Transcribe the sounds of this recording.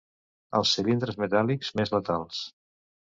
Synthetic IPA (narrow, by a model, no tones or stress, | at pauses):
ə̰lˠsːilind̪ɾəzmət̪alikzmezlət̪alˠs